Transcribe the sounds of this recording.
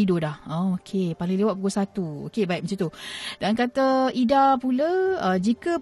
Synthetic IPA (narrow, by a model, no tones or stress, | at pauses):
idodahaokʰepalɪŋlewat̪̚puɡusat̪uo̰kebaiʔ̚mət͡ʃut̪udankat̪əʔidapuləəd͡ʒikə